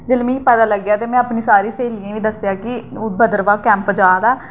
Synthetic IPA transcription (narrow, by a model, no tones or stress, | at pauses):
d͡ʒəlmĩːpɛːd̪aːləɡːjaːt̪eːmɛ̃ːapnĩːsaːɾiːseːlijãːʋiːd̪əsjaːkɪbəd̪əɾʋaːkɛ̃ːmpd͡ʒaːd̪aː